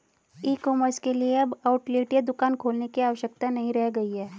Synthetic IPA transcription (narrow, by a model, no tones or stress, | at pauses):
iːkɔːməɾskelieɐbaːʊʈleːʈjed̪ʊkaːnkʰoːlnekiaːʋəʃjək̚t̪anɐɦĩɾɛɦɡɐiɦɛː